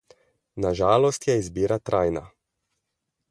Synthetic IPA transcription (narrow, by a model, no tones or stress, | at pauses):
naʒaːlɔst̪jɛizbiːɾat̪ɾajna̰